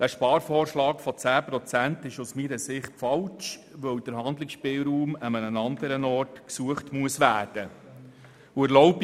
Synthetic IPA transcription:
d̥æʃpɑːɾfɔːɾʃlɑːkfɔt͡sæːpɾɔt͡sæntɪʃusmiːɾəsɪχtfɑlt͡ʃʋœwd̥əɾɦɑnd̪lɪksʃpɪlɾuːməmənənɑnd̪əɾənɔɾtksuəχtmuəsʋæːrd̥ə | uæɾlɔʊb

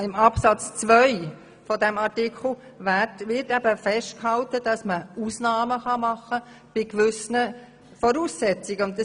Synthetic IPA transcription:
ɪmɑpsɑt͡st͡sʋœʏ | fɔdɛmɑɾtikʰl̩ˠ | ʋætʋɪtæbəfɛʃtkhɑltəd̥ɑsməuːsnɑːməχɑmɑχːə | b̥ɪkʋʏsnə | fɔɾuːsːɛt͡siɡəʊndə

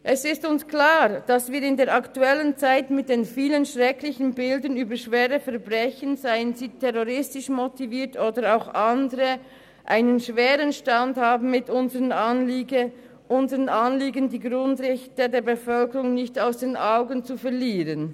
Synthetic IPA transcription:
ʔɛsɪstʊnsklaːʁd̥asviːɾɪndeːɐʁɑktuɛlənt͡saɪtmɪt̚d̥eːnfiːlənʃʁɛklɪçən̩bɪldənyːbəʃv̥eːʁəfɛɐbʁɛçənzaɪənziːtʰɛʁoʁɪstɪʃmotiviːɐtʰoːdəɾaʊxʔɑndəʁə | ʔa̰ɪnənʃveːʁənʃtɑndhaːbn̩mɪtʊnzəʁənl | ʔʊnzəʁənʔɑnliːɡəndiːɡʁʊndʁɛçtədeːɐbəfœlkəʁʊŋnɪçtaʊsd̥eːnʔaʊɡənt͡sufɛʁliːʁən

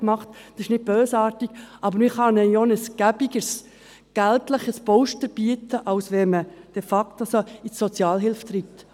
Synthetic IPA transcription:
mɑχttɑsɪʃnɪt̚b̥øːsɑːɾtiɡ̥ʔɑbəɾmɪχhɑnɛjonəsɡ̥æbiɡəs | ɡ̥æltləχəspɔʊʃtəɾb̥iətəʔɑwsʋɛməd̥ɛfɑktɑsoisːɔt͡sjɑːlɦɪlft̪ɾipt

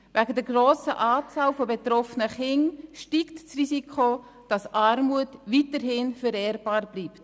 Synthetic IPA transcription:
væɡədɛɾɡroːsəʔaːt͡sɑːlfobet̪ɾɔfənəχɪŋʃtiːktsrisikʰχo | d̥ɑsʔɑɾmuətvitəɾɦɪnfəɾɛɾb̥ɑːrb̥liːpt

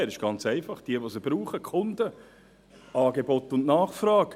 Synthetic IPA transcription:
ɛɾɪʃɡ̥ɑnt͡sɛɪfɑχd̥iəʋosəb̥ɾuːχəkʰʊndə | ɑːɡebɔt̪ʊnnɑːχfɾɑːk

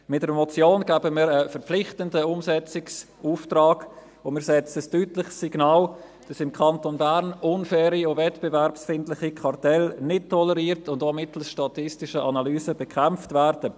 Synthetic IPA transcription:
mɪt̚dəɾmɔt͡sjoːnɡ̥æbəmiːɾəfəɾplɪχtəndəʊmsɛt͡sɪks | uːftraːɡ | omɪːɾsɛt͡səstyːtlɪχsːiɡnɑːl | d̥ɑsɪmkʰɑntonbæɾnʊnfɛːɾiovɛtb̥evɛɾpsfɪndlɪχikʰɑrtɛlnɪt̚tʰːɔləɾiːɾtʊndoːmɪtl̩sʃtɑtɪstɪʃəʔɑnɑlyːsəbɛkʰæmftvæːɾd̥ə

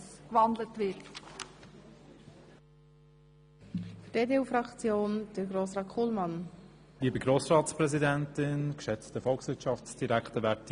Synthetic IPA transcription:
kʋɑndlətvɪt | fd̥eːdeːuːfɾɑkt͡sjoːnd̥əɾɡroːsɾɑːtkʰχulmɑn | liːbiɡɾoːsɾɑːtspɾɛzidæntɪnkʃɛt͡stəfɔlˠksvɪɾtʃɑfsd̥iɾæktəvæɾt

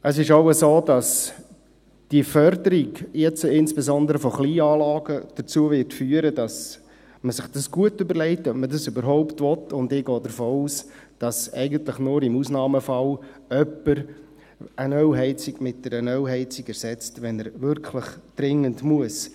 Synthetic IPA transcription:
əsɪʃoʊəsoːdɑs | d̥ifœɾdəɾiɡjɛt͡sɪnsb̥ɛzɔndəɾəfɔχliːɑːlɑːɡəd̥əɾt͡suəʋɪɾtfyːəɾədɑs | məsɪχd̥ɑsɡ̥uətʏbəɾlɛɪtœp̚mədɑsybəɾɦɔʊptʋɔtʊndɪːɡɔːdəɾfoːuːsd̥ɑsɛ̰ɪɡəntləχnʊːɾɪmuːsnɑːməfɑlœpːəɾ | ʔənœɦɛɪt͡siɡ̥mɪt̚d̥ɛɾənœwɦɛɪt͡siɡɛɾsɛt͡stʋɛnəɾʋʏɾkʰləχd̥ɾɪŋəndmuəs

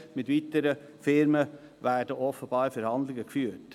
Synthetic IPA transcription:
mɪtʋitəɾə | fɪɾmə | væːɹd̥əʔɔfəb̥ɑːɾfɛɾhɑnd̪lɪɡəkfyːt

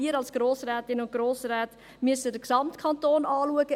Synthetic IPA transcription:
iəɾɑlsɡ̥ɾoːsrɛːtɪnʊnt̚ɡ̥ɾoːsrɛːt | myəsədəksɑmtkʰɑntoːnɑːluəɡə

